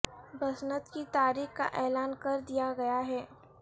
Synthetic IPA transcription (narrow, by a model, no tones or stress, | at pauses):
bɐsnət̪kit̪aːɾiːxka̰ʔɛːlaːnkɐɾd̪ijaɡɐjaɦɛː